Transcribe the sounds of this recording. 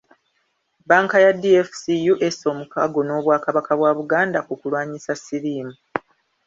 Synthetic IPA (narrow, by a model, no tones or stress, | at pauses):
baːŋkajadiefsijuʔeso̞ːmukaɡo̞no̞ːβwaːkaβakaβwaːβuɡaːndakukulwaːɲisasiɾiːmu